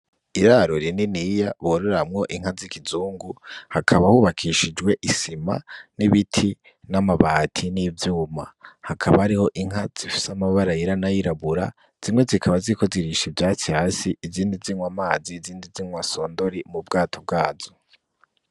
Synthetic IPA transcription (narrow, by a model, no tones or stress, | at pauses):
iɾaɾoɾininijaβoɾeɾamŋo̞ʔiŋ̥hazikizuːŋɡuhakʰaβahuːβakʰiʃid͡ʒɡwe̞ʔisima̰niβitʰi | namaβaːtʰiniːvjuːmahakʰaβahaɾiho̞ʔiŋ̥ɦaz̥ifi̥samaβaɾajiɾanajiɾaβuɾa̰ | z̥imwe̞zikʰaβaziko̞ziɾiʃivjaːt͡sihasiʔːziːndiziŋwamaːziːziːndiziŋwaso̞ːndo̞ɾimub̚ɡaːtʰob̚ɡaːzo